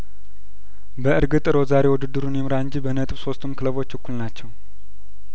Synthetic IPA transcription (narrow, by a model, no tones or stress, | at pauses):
bəʔɨɾɡɨt̪ʼɨɾozaɾe̞wʊd̪ɨd̪ːɨɾunjɛmɨɾaɨnd͡ʒibənət̪ʼbso̞st̪ʰumkʰɨləβo̞t͡ʃːɨkːulnat͡ʃːɛw